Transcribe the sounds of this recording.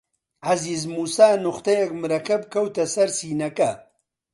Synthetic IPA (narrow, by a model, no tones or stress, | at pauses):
ʕɐzizmuːsaːnʊxt̪ɐjɐk̚mɨɾɐkʰɐb̚kʰɐwt̪ɐsɐɾsiːnɐkɐ